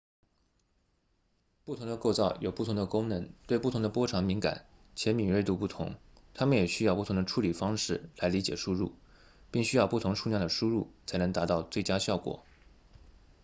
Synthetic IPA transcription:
pu˥˩t̪ʰʊ˧˥ŋd̪ə˧ko˥˧ʊt͡sɑ˥˩ʊjo˨˩ʊpu˥˩t̪ʰʊ˧˥ŋd̪ə˧kʊ˥ŋnə˧˥nt̪we˥˧ɪp̬u˥˩t̪ʰʊ˧˥ŋd̪ə˧pwɔ˥ʈ͡ʂʰɑ˧˥ŋmi˧˥ŋka̰˨˩˦nt͡ɕʰjɛ˧˥nmi˨˩nwe˥˧ɪt̪u˥˧pu˥˩t̪ʰʊ̰˧˥ŋ | t̪ʰa˥mə˨njɛ˨˩ɕy˥ju˥˩ʊ˧˥ŋd̪ə˧ʈ͡ʂʰu˧˥li˨˩fɑ˥ŋʂɻ̩˥˩la˧˥ɪli˧˥t͡ɕjɛ˨˩ʂu˥ɻṵ˥˩ | pi˥˩ŋɕy˥jɑ˥˧pu˥˩t̪ʰʊ˧˥ŋʂu˥˧njɑ˥˩d̪ə˩ʂu˥ɻṵ˥˩t͡sʰa˧˥ɪnɤ˧˥ŋt̪a˧˥t̪ɑ˥˧ʊt͡swe˥˩ɪt͡ɕja˥ɕjɑ˥˩ʊkwɔ̰˨˩˦

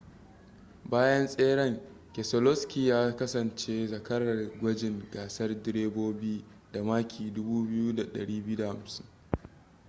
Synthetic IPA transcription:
baː˦jɐ˦nsʼeː˦ɽɐ˦˨ŋ | kʲe˨sɔ˨lɔ˦skʲi˨jaː˦kɐ˦sɐ˨nt͡ʃeː˦zɐ˨kɐ˦ɽɐ˨rɡʷɐ˦d͡ʒɪ˨ŋɡaː˨sɐ˦rdɪ˦ɾeː˦boː˦bi˦da˨maː˦kʲʰiː˨dʊ˦buː˦bɪ˦ju˦da˨ɗɐ̰˨ɽiː˦bɪ˦u˦da˨ha˨msɪ˦ŋ

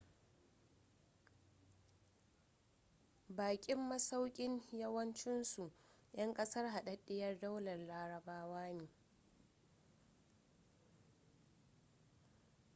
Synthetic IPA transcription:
baː˨kʲʼɪ˦mːɐ˦sa˦wkʲʼɪ˦ɲjɐ˦wɐ˦nt͡ʃɪ˦nsu˨ʔ | jʔɐ˦ŋkʼɐ˦sɐ˦rɦa˨ɗɐ˦ɗːɪ˦jɐ˦rda˦wlɐ˨rlaː˦ɾɐ˨baː˦waː˦neː˨

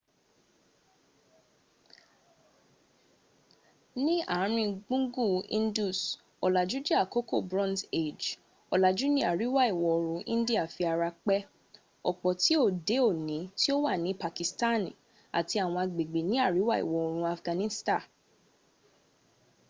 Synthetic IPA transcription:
nĩ˦a̰˦˨˦ɾ̃ĩ˧ɡ͡bũ˦ɡu˦˨ḭ̃˦n˦du˦˨s | ɔ˨la˨d͡ʒu˨˦d͡ʒi˦a˦˨ko˦ko˦˨bɾɔ̃˦nde˦˨d͡ʒ | ɔ˨la˨d͡ʒu˨˦nĩ˦a˦˨ɾi˨˦wa˦˨i˨wɔ˨ɾ̃ũ˨˧˦ʔĩ˦n˦di˦a˦˨fi˧a˨ɾa˧k͡pɛ˦ | ɔ˨k͡pɔ˨ti˨˦o˦˨de˨˦o˦˨nĩ˨˦ti˦o˦wa˦˨nĩ˨˦pa˨ki˨sta˦˨nĩ˨ | a̰˨ti˧a˨w̃ɔ̃˧a˧ɡ͡be˨ɡ͡be˨nĩ˦a˦˨ɾi˨˦wa˦ḭ˨wɔ˨ɔ˨ɾ̃ũ˧˦a˨fɡã˨˧nĩ˦stã˦˨

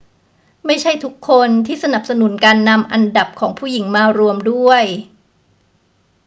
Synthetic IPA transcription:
ma˥˩jt͡ɕʰa˥˩jt̪ʰu˦˥kʰːo˧nt̪ʰiː˥˩sa˧na˨˩p̚sa˧nu˩˦nkaː˧nːa˧mʔa˧nda˨˩p̚kʰɔː˩˦ŋpʰuː˥˩ji˩˦ŋmaː˧ɾu˧əmdu˥˩əj

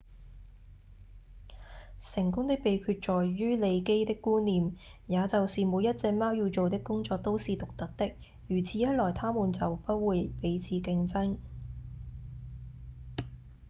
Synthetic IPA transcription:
sɪ˨˩ŋkʊ˥ŋt̪ɪ˥k̚pe˨jkʰyː˧t̚t͡ʃɔː˨jɥyː˥le˨˧jke˥jt̪ɪ˥kːuː˥nniː˨mjaː˨˧t͡sɐ˨wsiː˨˩moː˨˧˥jɐ˥t̚t͡sɛː˧k̚maː˥wjiː˧wt͡so˨wt̪̬ɪ˥kːʊ˥ŋt͡sɔː˧k̚t̪o˥wsiː˨t̪ʊ˨k̚t̪ɐ˨˥k̚t̪ɪ˥k̚ | jyː˨˩t͡sʰiː˨˥jɐ˥t̚lɔː˨˩jt̪ʰaː˥muː˨˩nt͡sɐ˨wpɐ˥t̚wuː˨˧jpe˨˥jt͡sʰiː˨˥kɪ˧ŋt͡sɐ˥ŋ

